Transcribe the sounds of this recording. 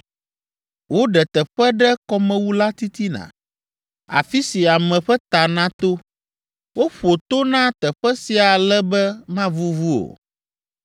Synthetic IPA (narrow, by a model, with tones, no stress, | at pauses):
wo˦ɖɛ˨t̪ɛ˨ɸɛ˦ɖɛ˦kɔ˦mɛ̃˦wu˦la˦t̪i˦t̪i˦nã̰˨ | a̰˨fi˦si˨a˨mɛ̃˨ɸɛ˦t̪a˨nã˦t̪o˦ | wo˦ɸo˨t̪o˦nã˦t̪ɛ˨ɸɛ˦si˨a˨lɛ˦bɛ˦mã˦vu˦vu˦o̰˨